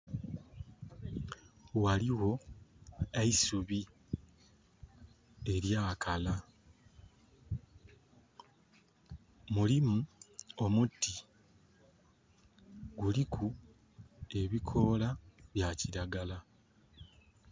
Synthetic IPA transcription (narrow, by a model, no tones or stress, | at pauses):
waliwo̞ | aisuβi | e̞ɾjaːkʰala | mulimuo̞mutːi | ɡulikʰu | e̞βikʰo̞ːlaβjaciɾaɡala